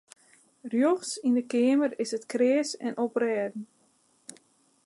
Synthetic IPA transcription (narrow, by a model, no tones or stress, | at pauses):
rjoxsindəkɪəmərɪsətkrɪəsɛnoprɛːdn̩